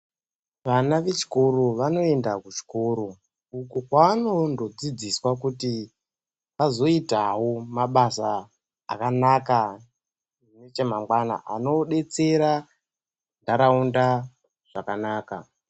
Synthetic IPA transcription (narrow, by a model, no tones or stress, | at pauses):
ʋanaʋe̞t͡ʃi̥ko̞ro̞ʋano̞e̞ndakut͡ʃi̥ko̞ːɾo̞ | ukukwaano̞ndod͡zid͡ziswakuti | azo̞itawomaɓasa̰ː | kanaka | imet͡ʃemaŋɡwana̰ʔa̰no̞ɗe̞t͡seɾa | ndaɾaunda | ʐ̥akanaːka̰